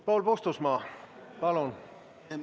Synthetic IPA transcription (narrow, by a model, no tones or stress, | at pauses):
polpost̪usmɑːpɑlon